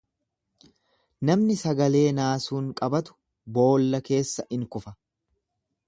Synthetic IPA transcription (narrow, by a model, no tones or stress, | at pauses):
nɐmnɪsɐɡɐle̞ːnaːsuːŋkʼɐbɐt̪ʊ̥ | bo̞ːlːɐke̞ːsːɐʔɪŋkʊfɐ